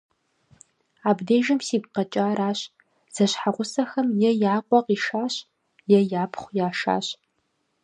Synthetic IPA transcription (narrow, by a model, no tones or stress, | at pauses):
aːbdeːʒɐmsiːp̚qɐt͡ʃʼaːɾaːɕ | z̥ɐɕħaʁʷʊsɐxɐmjɛjaːqʷʼɔqiːʃaːɕ | jɛjaːpʰχʷjaːʃa̰ːɕ